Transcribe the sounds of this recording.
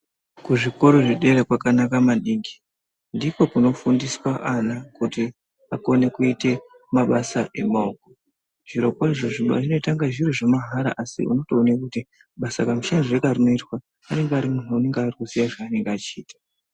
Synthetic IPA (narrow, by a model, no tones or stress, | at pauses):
kuʐiko̞ɾoʐiɗe̞ɾekwakanakamaɗiːŋɡi̥ | ndipo̞kuno̞fundiswaʔanakuti | ako̞ne̞kuite̞ | maɓasaʔe̞maoko̞ | ʐ̥iɾo̞kwaiʐo̞ʐiɓa̰ʐino̞taŋɡaʐiroʐemaɦaɾa̰ʔasḭṵno̞to̞ːnekuti | ɓasakamuʃanʐirekarino̞itwaː | ne̞ŋɡeaɾimun̤uune̞ŋɡarikusijaʐaːne̞ŋɡeat͡ʃiiːtḁ